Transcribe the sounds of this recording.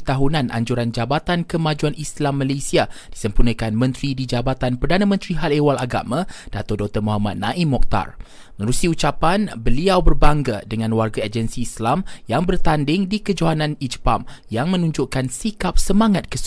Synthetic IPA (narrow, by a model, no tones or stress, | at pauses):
t̪aɦunãnʔa̰ɲd͡ʒuɾand͡ʒabat̪ankəmãd͡ʒuanʔislamːalesiad̥isəmpunə̃kanmə̃nt̪ɾidid͡ʒabat̪anpərdanãmə̃nt̪ɾiɦalewalaɡa̰mãd̥a̰t̪ɔdɔk̚t̪ərmoɦama̰t̪̚nãʔimːɔk̚t̪a̰r | məəɾusiut͡ʃapanbəliawbərbaŋɡadəŋãnwarɡaed͡ʒənsiːslamjaŋbərt̪andɪŋdikəd͡ʒoɦanãnid͡ʒəpamjaŋmə̃nũɲd͡ʒʊʔkansikap̚səmãŋat̪̚kəs